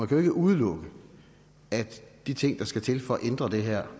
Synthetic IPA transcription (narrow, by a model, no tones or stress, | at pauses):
mænkʰæjoe̝ɡ̥əʔuð̞ˠəlɔ̽ɡ̥ə | æd̥d̥it͡sʰe̝ŋ̰d̥ɑ̈sɡ̥æt͡sʰe̝lfɒ̽ɒʔend̥ʁɐd̥e̝ɦæɐ̰